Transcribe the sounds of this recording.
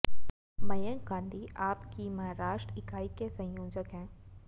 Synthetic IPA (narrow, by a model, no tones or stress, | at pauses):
mɐjə̃ŋɡãːnd̪ʱiaːpkimɐɦaɾaːʃʈɾəɪkaːikesɐ̃joːd͡ʒəkɦɛ̃ː